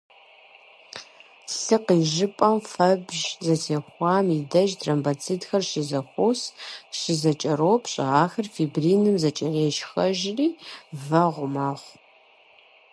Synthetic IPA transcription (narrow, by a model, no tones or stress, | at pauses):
ɬɨqiːʒɪpʼɐmfɐbʒzɐsʰeːxʷɑːmidɐʒdʰrɐmbat͡sʰiːdxɐrʃɪzɐxʷosʃɪzɐt͡ʃʼɐɾoːpʰɕʼɪ̰ʁɑːxɐrfibriːnɨmzɐt͡ʃʼɪʁeːʃxɐʒriːvɐʁʷʊmaːχʷ